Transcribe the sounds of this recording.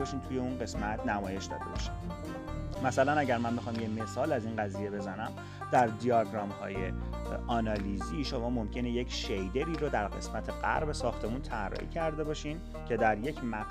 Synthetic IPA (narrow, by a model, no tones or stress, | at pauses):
bɒːʃiːmt̪ʰujeunɢe̞smæt̪ʰnæmɒːje̞ʃd̪ɒ̰ːd̪e̞̰bɒ̰ʃi̥m | mæsælænæɟæɾmænbexɒːmjeme̞sɒːlæziːnɢæziːje̞be̞zænæm | d̪̥æɾd̪ijɒɡɾɒmhɒ̰ːjḛ | ɒːnɒliziːʃomɒːmomcʰe̞nejecʰʃejd̪e̞ɾiːɾod̪æɾɢe̞smæt̪ʰeɢæ̰ɾbesɒːxt̪ʰe̞munt̪ʰærːɒ̰ːʔḭːcʰæɾd̪e̞bɒːʃiːn | cʰe̞d̪æɾje̞cʰmæ